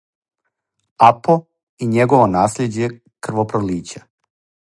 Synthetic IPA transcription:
apo | iɲeɡo̞ʋo̞naːsʎed͡ʑe̞ | kr̩ʋopɾoliːt͡ɕa

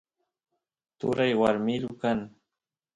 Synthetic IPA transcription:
t̪ʊ̰ɾajwaɾmɪɾʊkaŋ

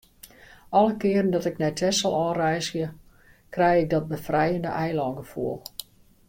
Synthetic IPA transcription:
ɔləkɪərən̩dɔtɪknɛtʰɛsɔlˠɔːrɛjsjə | krɛjɪk̚dɔt̚bəfrɛjəndə̰ʔɛjlɔŋɡəfuəlˠ

